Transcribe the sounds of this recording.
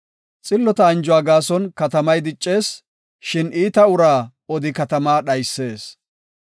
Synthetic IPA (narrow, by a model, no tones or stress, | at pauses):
t͡sʼɪlːɔt̪ɐɐnd͡ʒʊwaːɡaːsɔnkɐt̪ɐmɐjd̪ɪt͡ʃʼːe̞ːs | ʃɪniːt̪ɐʊɾaː | ɔd̪ɪkɐt̪ɐmaːɗɐjsːe̞ːs